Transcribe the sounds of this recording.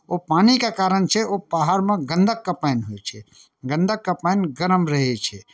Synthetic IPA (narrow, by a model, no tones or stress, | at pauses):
opaːnikakaːɾənt͡ʃʰɛobaːɦaɾmẽɡə̃nd̪ʱəkːapɛːnɦoet͡ʃʰɛ | ɡə̃nd̪ʱəkːapaɪnɡəɾəmɾəɦet͡ʃʰɛ